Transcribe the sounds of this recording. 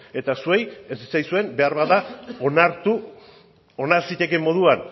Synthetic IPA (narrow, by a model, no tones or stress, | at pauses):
e̞t̪asuejesi̥t͡sajsue̞mbe̞aɾβaðaonaɾt̪u | o̞naɾsit̪e̞ke̞mːo̞ð̞uan